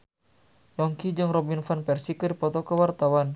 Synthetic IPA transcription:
jɔŋkid͡ʒɨŋrɔbinfanpɛrsikədipɔt̪ɔkəwart̪awan

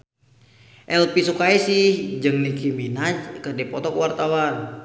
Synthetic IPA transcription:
ʔɛlpisukaisihd͡ʒɨŋlikiminat͡ʃkərdɛpɔt̪ɔkəwart̪awan

